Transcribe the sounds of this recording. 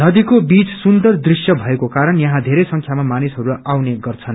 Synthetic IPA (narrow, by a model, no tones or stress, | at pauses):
nʌd̪ikobit͡ssund̪ʌrd̪risjʌbʱʌekokaɾʌnjʌɦãd̪ʱeɾʌjsʌŋkʰjamamanisɦʌɾuawneɡʌrt͡sʰʌn